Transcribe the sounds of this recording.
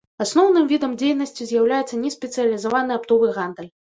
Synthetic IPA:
asnɔwnɨmvʲid̪ɐmd͡zʲejnɐsʲt͡sʲizʲjawlʲajɛt̪sːɐnʲɛsʲpʲɛt̪sɨjɐlʲizavanɨapt̪ɔvɨɣand̪ɨlʲ

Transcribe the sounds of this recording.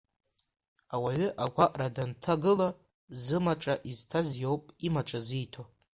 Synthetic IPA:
awaɥʏʔaɡʷaʔʼradantʰaɡɨla | zɨmaʈ͡ʂʼaʔiztʰazjowpʼimaʈ͡ʂʼazijtʰo

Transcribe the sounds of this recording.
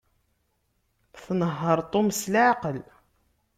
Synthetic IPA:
θnəɦːəɾˤt̪ˤomslaʕqəl

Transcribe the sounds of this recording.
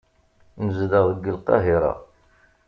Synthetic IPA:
nəzðəʁðˤəɡːəlqɑ̰ɦiɾˤɑ̰

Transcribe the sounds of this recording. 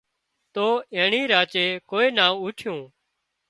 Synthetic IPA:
t̪oːẽːɳiːɾaːt͡ʃeːkoːeːnaːʋʊːʈʰjõː

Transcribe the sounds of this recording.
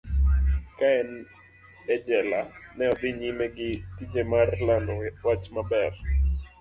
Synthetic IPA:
kaɛn | ɛd͡ʒɛlanɛɔd̪ɪɲimeɡɪtid͡ʒemarlandɔwat͡ʃmabɛr

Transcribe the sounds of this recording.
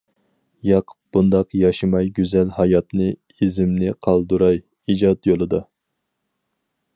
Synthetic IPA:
jɑqʰə̥p̚b̥und̪ɑqjɑʃɨmɑjɡʲyzɛlhɑjɑt̪nɨ | izɪmnɪqʰɑlˠd̪uɾɑj | id͡ʒɑt̪jolˠɨd̪ɑ

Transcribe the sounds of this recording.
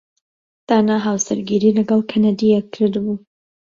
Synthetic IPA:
d̪̥aːnaɦaːwsɨɾɡiɾiːlɐɡɑlˠkʰanad̪ijɛkʰːɨɾd̪bu

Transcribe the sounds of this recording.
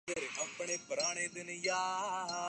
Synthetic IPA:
ɐɾeʔɐpɳeːpɾaːɽ̃ed̪ɪnjaː

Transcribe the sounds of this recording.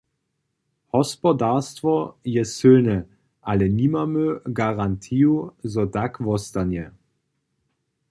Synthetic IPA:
hɔspɔdastvɔjɛsøːnə | ʔalənimɐmøɡaʁantʰiːuzɔdakvɔstanjə

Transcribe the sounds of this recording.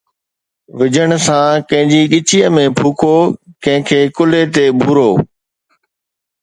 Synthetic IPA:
ʋɪd͡ʑəɽ̃sãkɐ̃ɦɪ̃ɲd͡ʑiɠɪt͡ɕiəmẽbʱuːkʰoːkɐ̃ɦɪ̃kʰeːkʊlet̪ebʱuːɾoː

